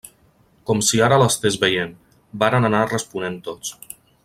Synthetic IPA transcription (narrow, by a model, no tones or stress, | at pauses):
kɔmsiaɾələst̪ezβəjen | baɾənanarəspunent̪ot͡s